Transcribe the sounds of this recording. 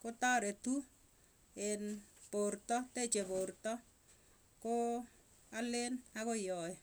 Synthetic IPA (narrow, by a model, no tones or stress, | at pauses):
kotaɾetu | ɪnportɔtet͡ʃeportɔ | ko | alenakojɔɪ